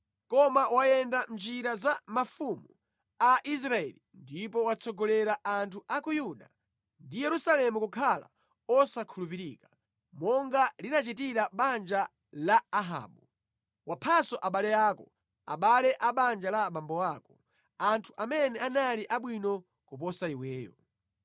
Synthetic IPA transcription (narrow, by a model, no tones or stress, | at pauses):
kɔmawajɛndand͡ʒiɾazamafumu | aʔis̬ɾaɛ̰lindipɔwat͡sɔɡɔlɛɾaʔantʰuʔakujuɗa | ndijɛɾusalɛmukukʰala̰ | ɔsakʰulup̬iɾḭka | mɔŋɡalinat͡ʃitiɾaɓand͡ʒa | laːɦa̰ːɓu | wʔapʰasɔʔaɓalɛjaːkɔ | a̰ɓalɛʔaɓand͡ʒalaɓambɔwaːkɔ̥ | antʰuʔamɛnɛanaliʔaɓwinɔ | kup̬ɔsaiwɛːjɔ̰